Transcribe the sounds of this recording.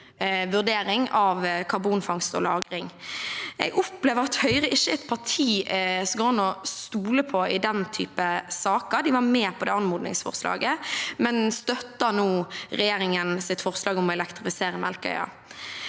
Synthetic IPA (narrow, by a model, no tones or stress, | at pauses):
ʋʉʁd̪eːɾɪŋɑʋkʰɑʁbuːnfɑŋst̪ɔ̰lɑːɡɾɪŋ | ɛ̰ɪɡɔpleːʋəʁɑt̪hœʏʁəʔɪçːəɛt̪pʰɑʁʈʰiːsɡoːnɔst̪uːləpʰɔɪd̪ɛnt̪ʰy̰ːpəsɑːkəɾd̪ɪʋɑɾmeːpʰɔd̪ɛːɑnmuːd̪nɪ̰ŋsfɔ̰ʁslɑ̰ːɡəmɛnst̪œt̪ːɑnuːɾɛjeːɾɪŋənsɪt̪fɔʁslɑːɡɔmɔɛlɛkt̪ɾɪfɪseːɾəmɛlkœ̰ʏɑ̰